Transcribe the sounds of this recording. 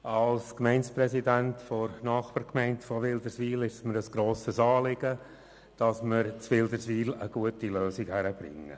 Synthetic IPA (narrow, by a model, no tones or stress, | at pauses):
ɑlskmɛɪnspɾɛsidæntfɔɾnɑːχpəɾkmɛɪntfɔʋɪld̪əɾsʋiːlɪʃəsməɾəsɡ̥ɾoːsəsɑːlɪɡ̥ə | d̥ɑsməɾt͡sʋɪld̪əɾsʋiːləɡ̥uətiløːsikhæɾəb̥ɾɪ̰ŋːə̰